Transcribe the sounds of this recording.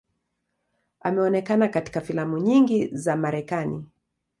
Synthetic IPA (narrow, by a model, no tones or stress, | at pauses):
amɛɔnɛkanakati̥kafilamuɲiŋɡizamaɾɛkanḭ